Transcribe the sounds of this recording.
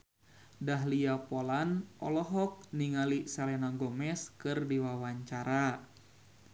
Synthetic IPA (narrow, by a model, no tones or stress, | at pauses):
daɦliapolanʔɔlɔɦɔk̚niŋalisalɛnaɡɔmɛskɨrdiwawaɲt͡ʃaɾa